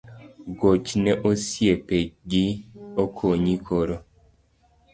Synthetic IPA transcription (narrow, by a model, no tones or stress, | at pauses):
ɡot͡ʃnɛʔosiepeɡiokʰoɲikʰoɾo